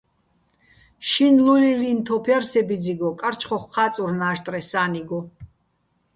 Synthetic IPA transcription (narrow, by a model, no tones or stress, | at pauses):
ʃinlulilint̪ʰɔpʰjarsɛbid͡ziɡɔkʼaɾt͡ʃʰχɔχqʰaːt͡sʼuɾnaːʃt̪ʼrɛsaːniɡɔ